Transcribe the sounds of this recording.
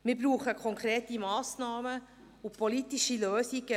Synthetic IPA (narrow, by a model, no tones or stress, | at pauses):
mɪːɾbɾuːχəkʰɔŋkʰɾeːtimɑːsnɑːmə | upʰolitiʃiløːsiɡə